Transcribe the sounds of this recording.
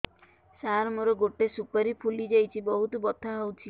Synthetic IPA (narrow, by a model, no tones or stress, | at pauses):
saɾmoɾɔɡoʈesupaɾipʰulid͡ʒajt͡ʃʰibɔɦut̪ɔbɔt̪ʰaɦowt͡ʃʰi